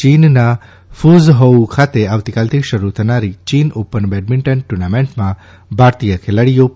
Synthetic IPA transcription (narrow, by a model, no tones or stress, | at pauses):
inna | fuzɦəukʰat̪eaʋt̪ikaːlt̪ʰikʃəɾut̪ʰənaɾit͡ʃiːnopənbeɖmiɳʈənʈuɾnameɳʈmã | bʱaɾt̪ijəkʰeləɽijo